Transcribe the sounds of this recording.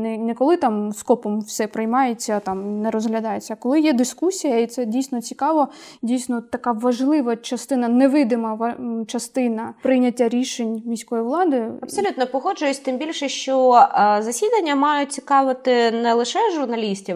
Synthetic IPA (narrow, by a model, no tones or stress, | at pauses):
nɛnɛkɔlˠɪt̪ɑmskɔpɔmwsɛpɾɪjmɑjet͡sʲːɐt̪ɑmnɛɾɔzɦlʲɐd̪ɑjet͡sʲːɐkɔlˠɪjɛd̪ɪskusʲijɐit̪sɛdʲijsʲnɔt͡sʲikɑʋɐdʲijsʲnɔt̪ɐkɑʋɐʒlˠɪʋɐt͡ʃɐst̪ɪnɐnɛʋɪd̪ɪmɐʋɐt͡ʃɐst̪ɪnɐpɾɪjnʲɐtʲːaɾʲiʃenʲmʲisʲkɔjiʋlˠɑd̪ɪɐpsɔlʲut̪nɔpɔɦɔd͡ʒʊjsʲt̪ɪmbʲilʲʃɛʃt͡ʃɔzɐsʲid̪ɐnʲːɐmɑjʊt̚ʲt͡sʲikɑʋɪt̪ɪnɛlˠɪʃɛʒʊrnɐlʲisʲtʲi